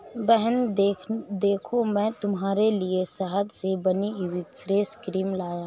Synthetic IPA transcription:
bɛɦɛn | d̪eːkʰomɛ̃t̪ʊmɦaːɾeliesaɦəd̪sebɐniwipʰɾeːskɾiːmlaːjã

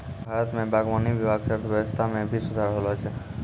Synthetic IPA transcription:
bʱaɾət̪mẽbaɡmanibibʱaɡsəɾt̪ʰbjbəst̪ʰamẽbʱisud̪ʱaɾɦolot͡ʃʰe

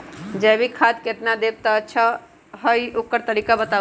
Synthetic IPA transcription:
d͡ʒɛbʱikʰad̪keʈ̪nad̪eb̚t̪əːtːʃʰa | ɦəjokəɾt̪əɾikabət̪a

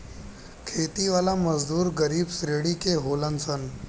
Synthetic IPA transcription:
kʰeːt̪iʋaːlaməzd̪uːɾɡəɾiːbsɾeːɽikeɦoːlənsən

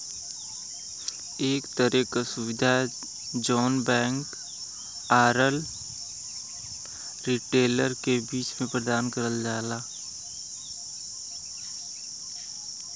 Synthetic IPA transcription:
eːkt̪əɾekasʊʋɪd̪ʱa | d͡ʒɔːnbɛ̃ːŋk | aːɾəl | ɾiʈeːləɾkebiːt͡ʃmẽpɾəd̪aːnkəɾəld͡ʒaːlaː

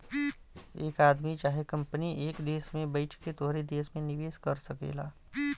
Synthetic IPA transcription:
eːkaːd̪mit͡ʃaːɦekɐ̃mpəniʔeːkd̪eːsmẽbəɪʈʰket̪oɦɾed̪eːsmẽnɪʋeːskɐɾsɐkḛːlaː

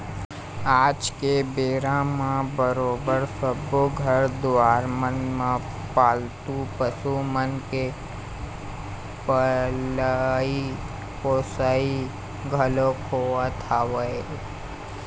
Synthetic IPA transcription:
aːd͡ʒkebeːɾãmãbəɾoːbəɾsəboɡʱəɾd̪aːɾmənmã | paːlt̪upəsumənke | pələi | poːsai | ɡʱəlokʰoat̪ʰaʋəe

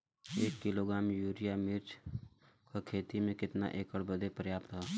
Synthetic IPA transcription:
eːkːɪloɡɾaːmjuːɾijamɪɾt͡ʃ | kakʰeːt̪imẽkɪt̪na̰ʔeːkəɽbəd̪ʱepɾəjaːpt̪ɦa

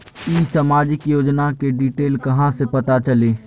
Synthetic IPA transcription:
iːsaːmaːd͡ʒɪkjoːd͡ʒnakeɖiːʈeːlkɐɦãsepɐt̪at͡ʃəleː

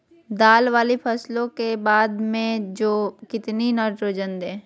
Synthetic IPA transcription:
d̪aːlʋaːlipʰɛslõkebaːd̪mẽd͡ʒoːkɪt̪ninəɾʈɾoːd͡ʒənd̪ẽː

